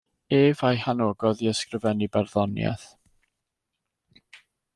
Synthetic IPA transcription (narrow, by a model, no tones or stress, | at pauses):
eːvajhanoːɡɔðiəskrəvɛnibɛrðɔnjɛ̰θ